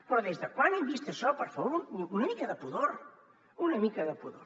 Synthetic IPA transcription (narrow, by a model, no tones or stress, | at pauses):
pɾɔðezðəkwanemβist̪eʃɔpəɾfɐβoɾuunɐmikɐðəpuðoɾ | unɐmikɐðəpuðoɾ